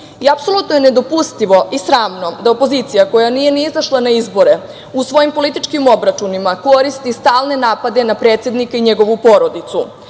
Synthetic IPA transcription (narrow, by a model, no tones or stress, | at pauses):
iapso̞lut̪noje̞ned̪o̞pust̪iʋo̞ʔisɾaːmno̞d̪aopo̞zit̪sijako̞janije̞niizaʃlˠanaizbo̞ɾe̞ | usʋo̞jimpo̞lit̪it͡ʃkimo̞bɾat͡ʃunimako̞ɾist̪ist̪aːlˠne̞naːpad̪e̞napɾe̞ːt̪se̞d̪nikaiɲe̞ɡo̞ʋupo̞ɾo̞d̪it̪su